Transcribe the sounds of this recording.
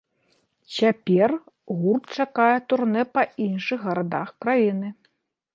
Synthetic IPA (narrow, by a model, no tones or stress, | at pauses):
t͡sʲapʲɛr | ɣurt̪̚t͡ʂakajɛt̪urnɛpɐinʂɨɣɣɐɾad̪a̰xkɾajinɨ